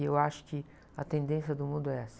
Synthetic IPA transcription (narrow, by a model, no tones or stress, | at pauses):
ewaʃʊ̥kɪ | ɐt̪ẽnd̪ẽsjɐd̪ʊmũnd̪ʊɛas